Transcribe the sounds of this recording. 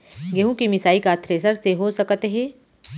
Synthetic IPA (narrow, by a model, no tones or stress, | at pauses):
ɡeɦũkimɪsaːikat̪ʰɾeːsəɾseɦosɐkət̪eɦẽː